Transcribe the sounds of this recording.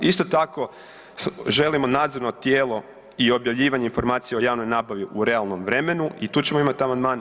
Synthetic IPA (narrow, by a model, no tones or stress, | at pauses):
ist̪ot̪ako̞ | ʒe̞limo̞naːd̪zo̞ɾnot̪jeːlˠo̞ | io̞bjaʋʎiːʋaɲeinfo̞ɾmaːt̪sijeojaːʋno̞jnaːbaʋiʔuɾe̞alˠno̞mʋɾe̞me̞nuit̪uːt͡ɕemo̞imat̪iamand̪maːn